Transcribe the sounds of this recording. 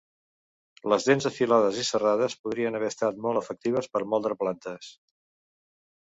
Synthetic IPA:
ləzðenzəfilaðəzisəraðəspuð̞ɾiənəβ̞ɛəst̪at̪mɔlˠt̪əfək̚t̪iβ̞əspəɾmɔlˠd̪ɾəplant̪əs

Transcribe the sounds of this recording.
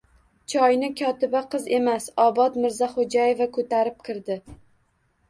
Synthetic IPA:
t͡ʃʰɒjnɪkʲʰɒt̪ɪbaqʰɨze̞masɒbɒt̪mɪɾzaχod͡ʒaje̞vakʰɵt̪aɾɪp̚kʲʰɪɾd̪ɪ

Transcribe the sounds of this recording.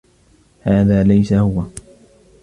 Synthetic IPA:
haːðaːlajsahʊwa

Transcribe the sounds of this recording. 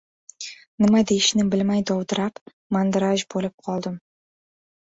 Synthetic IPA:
nɪmad̪ejɪʃnɪbɪlmajd̪ɒwd̪ɪɾap | mand̪ɾaʒbolɪp̚qʰɒlˠd̪ɪm

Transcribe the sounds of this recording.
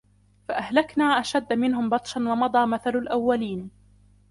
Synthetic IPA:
faʔahlaknaːʔaʃad̪ːmɪnɦʊmbɑt̪ˤʃanwɑmɑd̪ˤɑːmaθalalʔawːaliːn

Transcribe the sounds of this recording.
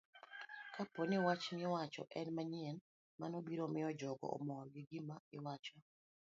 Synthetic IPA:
kapɔnɪwat͡ʃnɪwat͡ʃɔ̰ʔɛnmaɲiɛn | manobiɾomɪɔd͡ʒɔɡɔ̰ɔ̰mɔɡɪɡɪmaɪwat͡ʃɔ

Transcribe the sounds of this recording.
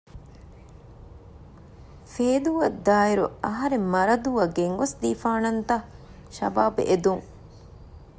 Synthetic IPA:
feːd̪uʋɐd̪aːiɾṵɐɦɐɾemmɐɾɐd̪uʋɐɡeŋʋɐsd̪iːfaːnɐnt̪ɐ | ʃɐ̰baːb̰ʔed̪uŋ

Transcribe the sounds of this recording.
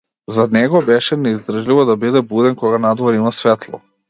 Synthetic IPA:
zanɛɡɔbɛʃɛnɛizd̪r̩ʒlivɔd̪abid̪ɛbud̪ɛnkɔɡanad̪vɔɾimasvɛt̪lˠɔ̰

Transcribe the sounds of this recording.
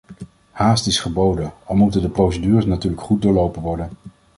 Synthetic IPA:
haːstɪsχəbowdənɑlˠmutəndəprowsədyːrəsnatyːɹləkχut̚dʊːɹlowpənʋɔɹdən

